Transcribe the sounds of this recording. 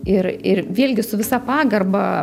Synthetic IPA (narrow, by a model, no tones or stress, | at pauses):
ɪɾɪɾʋʲiɛlʲɡʲɪsʊʋʲɪsɑpɑːɡɐrbɐ